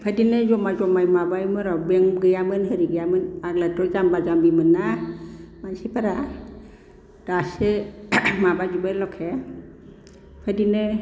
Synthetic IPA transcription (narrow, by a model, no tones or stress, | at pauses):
pʰadinɯzɔmazɔmajmabajmɯɾɔbeŋɡɯjamɯnɦɯɾiɡɯjamɯnaɡlatʰɔɾzambazambimɯnːa | mansipʰaɾa | d̥asemabad͡ʒubalɔkʰe | pʰadinɯ